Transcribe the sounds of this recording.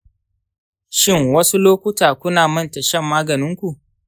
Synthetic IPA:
ʃɪ˦˨ŋwɐ˦su˦loː˦kʷʊ˦taː˨kʷʊ˦naː˨mɐ˦˨ntɐ˨ʃɐ˦mːaː˦ɡɐ˨nɪ˦ŋkʷu˨ʔ

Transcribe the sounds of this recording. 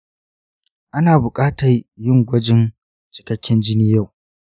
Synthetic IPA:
ʔa˦naː˨bʊ˨kʼaː˦tɐ˨rjɪ˦ŋɡʷɐ˦d͡ʒɪ˦n | t͡ʃɪ̥˨kɐ˦kʲːɪ˦nd͡ʒɪ˦niː˦ja˦˨w

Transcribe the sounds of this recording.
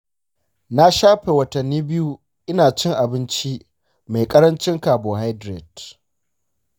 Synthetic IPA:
na˦ʃaː˦ɸeː˨wɐ˦tɐ˨nːiː˦bɪ˦ju˦ | ʔɪ˦naː˨t͡ʃɪ˦ŋʔa˨bɪ˦nt͡ʃi˦ | ma˨jkʼɐ˦ɾɐ˦nt͡ʃɪ˦ŋkaː˨boː˨ɦa˦jdɾe˨d

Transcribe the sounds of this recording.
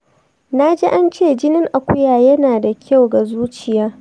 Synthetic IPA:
na˦d͡ʒe˦ʔa˦nt͡ʃeː˦˨d͡ʒɪ˦nɪ˦ŋʔa˨kʷʊ˦jaː˨jɐ˦naː˨da˨kʲʰa˦˨wɡa˨zuː˦t͡ʃɪ˨jaː˦

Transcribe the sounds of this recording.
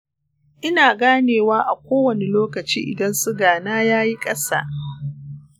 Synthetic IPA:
ʔɪ˦naː˨ɡaː˦neː˨waː˦ʔa˨kʷoː˦wɐ˨ne˨loː˦kɐ˨t͡ʃḭː˦ʔɪ̰˨dɐ˦nsu˦ɡaː˨naː˦jaː˦ji˦kʼɐ˦sa̰ː˦˨

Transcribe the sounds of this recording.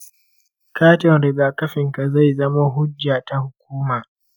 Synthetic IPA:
kaː˦tɪ˨nɾɪ˨ɡaː˨kɐ˦ɸɪ˨ŋka˨za˦˨jzɐ˦ma˦ɦʊ˦d͡ʒːa˨ta˦˨hʊ˨kʷuː˦maː˨

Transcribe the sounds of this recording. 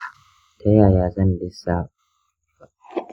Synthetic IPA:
tɐ˦jaː˨jaː˨zɐ˦n˨bɪ˦sa˦

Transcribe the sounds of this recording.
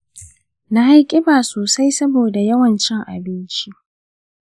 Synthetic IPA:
na˦ɦa˦jkʲʼɪ˦baː˨soː˨sa˦jsɐ˦boː˨da˨jɐ˦wɐ˨nt͡ʃɪ˦ŋʔa̰˨bɪ˦nt͡ʃi˦ʔ

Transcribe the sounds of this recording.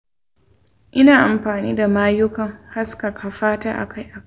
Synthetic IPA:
ʔɪ˦naː˨ʔa˨mɸaː˨niː˦da˨maː˦jʊ˦kɐ˨ŋha˦ska˨kʰa˨ɸaː˦taː˦ʔa̰˨kʰa˦jʔa˨ka˦

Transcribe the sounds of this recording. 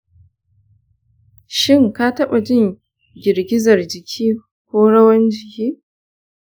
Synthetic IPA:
ʃɪ˦˨ŋka˦tɐ˦ɓa˨d͡ʒɪ˦ŋ | ɡʲɪ˨ɾɡʲɪ˦zɐ˨rd͡ʒɪ˨kʲʰiː˦ | kʷoː˦ɽɐ˦wɐ˦nd͡ʒɪ˨kʲiː˦

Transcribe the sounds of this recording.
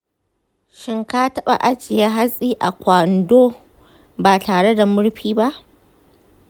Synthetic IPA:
ʃɪ˦ŋkaː˦tɐ˦ɓa̰˨ʔa˦t͡ʃɪ˨ja˦ɦa˦sʼiː˦ʔa˨kʷa˨ndoː˦ | baː˨taː˨ɽe˦da˨mʊ˦ɽɸiː˦ba˦ʔ

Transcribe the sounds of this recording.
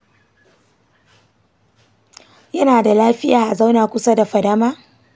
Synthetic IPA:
jɐ˦naː˨da˨laː˦ɸɪ˦jaː˨ʔa˨za˦wnaː˨kʷʊ˦sa˦da˨ɸɐ˨dɐ˦maː˦

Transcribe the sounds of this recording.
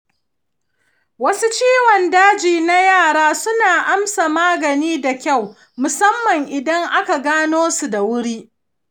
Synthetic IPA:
wɐ˦su˦t͡ʃiː˦wɔ˨ndaː˦d͡ʒiː˨na˦jaː˦˨ɽaː˦sʊ˦naː˨ʔa˦msa˨maː˦ɡɐ˨niː˦da˨kʲa˦˨w | mʊ˨sɐ˦mːɐ˨ŋʔɪ˨dɐ˦ŋʔa˦ka˨ɡaː˦noː˦su˨da˨wʊ˦ɽiː˦

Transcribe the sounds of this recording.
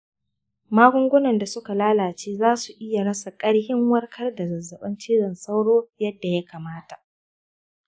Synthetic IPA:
maː˦ɡʷʊ˦ŋɡʷʊ˦nɐ˨nda˨sʊ˦ka˨laː˦laː˨t͡ʃeː˦zaː˦su˨ʔɪ˦ja˨ɽɐ˦sa˨kʼɐ˦ɽhɪ˦ŋwɐ˦rkʰɐ˦rda˨zɐ˨zːɐ˨ɓɐ˦nt͡ʃiː˦ɽɐ˨nsa˦wɽoː˦jɐ˦dːa˨ja˦kaː˨maː˦ta˨ʔ

